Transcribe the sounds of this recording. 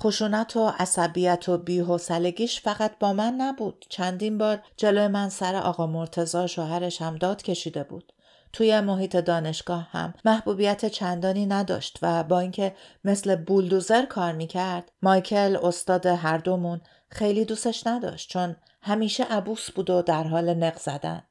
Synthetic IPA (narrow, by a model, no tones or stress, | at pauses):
χoʃuːnæt̪ʰo̞ʔæsæbiːjæt̪ʰo̞biːɦosæle̞ɡiːʃfæɣæt̪̚ʰbɒːmænːæbuːd̪̥t͡ʃʰænd̪iːnbɒːɾd͡ʒe̞lojemænsæɾḛʔɒ̰ːɣɒːmo̞ɾt̪ʰe̞zɒːʃoːɦæɾe̞ʃhæmd̪ɒːd̪̥cʰe̞ʃiːd̪e̞bṵːd̪̥ | t̪ʰuːje̞mo̞ɦiːt̪ʰe̞d̪ɒːne̞ʃɡ̥ɒːhhæ̰mːæhbuːbijæt̪ʰet͡ʃʰænd̪ɒːniːnæd̪ɒ̰ːʃt̪væbɒːiŋcʰe̞me̞sle̞buld̪uze̞ɾkʰɒːɾmiːcʰæɾd̪̥mɒjcʰe̞lo̞st̪ɒːd̪eɦæɾd̪o̞mun | xe̞jliːd̪uːse̞ʃnæd̪ɒ̰ːʃt̪̚t͡ʃʰo̞n | hæmiːʃeʔæbuːsb̥uːd̪o̞d̪æɾɦɒːlene̞ɣz̥æd̪æ̰n